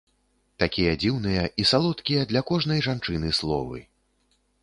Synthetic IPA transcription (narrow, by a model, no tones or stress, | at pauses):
t̪akʲijɐd͡zʲiwnɨjɐisalˠɔt̪kʲijɐd̪lʲɐkɔʐnɐjʐant͡ʂɨnɨslˠɔ̰vɨ̰